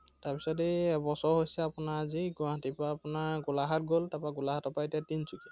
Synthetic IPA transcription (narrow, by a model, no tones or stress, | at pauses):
taɹbisɔdibɔsɔɹɦojsɛapʊnaɹziɡaɦatipaapʊnaɹɡʊlaɦatɡoltapaɡulaɦatɔpaetijatinsuki